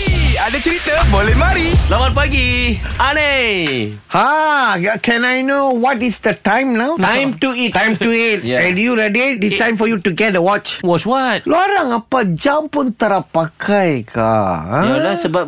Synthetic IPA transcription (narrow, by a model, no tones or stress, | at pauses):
adat͡ʃəɾit̪abolehmaɾisəlamat̚paɡiane | ha | kɛ̃najnowɔtisdətãjmnaʊtãjmtuittãjmtuit̚ɛ̃njuɾɛdeistãj̃mfɔjutuɡɛt̚dəwɔt͡ʃwɔswɔt̚lɔaɾãŋapad͡ʒãmpũnt̪əɾapːakʰajkʰã̰alasəbap̚